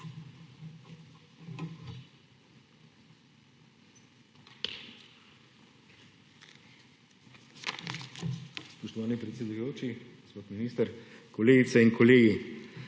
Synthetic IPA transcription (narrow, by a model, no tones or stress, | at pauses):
spɔʃt̪ɔʋaːnipɾɛt̪sed̪ujoːt͡ʃiɡospot̪miniːst̪əɾkoleːɡit̪sɛiŋkɔleːɡi